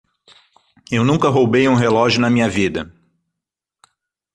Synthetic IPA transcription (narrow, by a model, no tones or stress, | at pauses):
ewnũkɐɦowbejũɦelɔʒʊnɐmĩɲɐvid̪ɐ